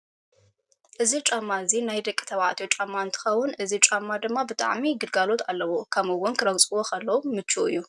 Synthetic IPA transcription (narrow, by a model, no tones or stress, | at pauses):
ʔɨzit͡ʃʼamːaɨzinajd̪ɐkʼit̪ʰɐβʕa̰t̪ʰjot͡ʃʼamːaɨnt̪ʰɨ̥xɐwːʊnʔɨzit͡ʃʼamːad̪ɨmːabɨt̪ʼa̰ʕmiɡɨd̪ɡalo̞t̪ʰalːɐwokʰɐmɨwʊnkʰɨɾɐɡt͡sʼɨwokʰɐlːɐwumɨt͡ʃːuɨjːu